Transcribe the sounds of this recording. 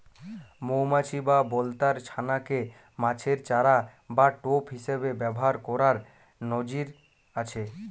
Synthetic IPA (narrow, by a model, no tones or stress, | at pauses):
mowmat͡ɕʰibabɔlt̪aɾt͡ɕʰanake | mãt͡ɕʰeɾt͡ɕaɾabaʈopɦiʃebebɛboɦaɾkɔɾaɾ | nod͡ʑiɾ | at͡ɕʰe